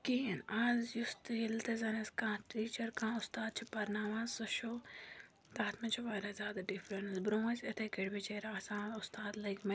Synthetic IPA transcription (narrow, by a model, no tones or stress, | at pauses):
kiːnazjust̪ilt̪ezɐneskãːʈɾiːt͡ʃɐɾkãːʊst̪aːd̪̚t͡ʃʰipɐɾnaːʋaːzsɐʃoː | t̪aːt̪ʰmɐt͡ʃʰuʋaːɾazʲjaːd̪aɖifɾɐnɐzbɾõːɐsɐt̪ʰekeɽbit͡ʃeɾaːsãːʊst̪aːd̪lɐɡmɐ